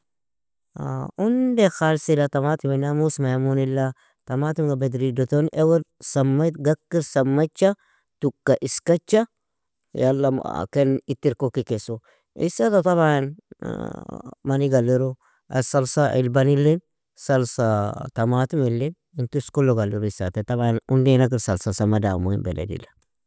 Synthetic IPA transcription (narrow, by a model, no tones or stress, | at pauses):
a̰undexalsilatamat̪uminamusmajamunilːa | tamatumɡabed̪ɾidot̪onʔeweɾsamːat̪ɡakːiɾsɐmːat͡ʃːa | tukːaʔiskat͡ʃːa | jalːa̰kenitːiɾkokːikeso | ḭsːat̪at̪aβajan | mɐniɡɐlːiɾo | ɐsɐlsaʔḭlbɐnilːin | sɐlsat̪ɐmat̪umilːin | ɪnt̪uskulːoɡɐlːiɾoisːa̰t̪et̪ɐbajanundenak̬iɾsɐlsasɐmɐda̰ːmunbḛdḛdḭlːa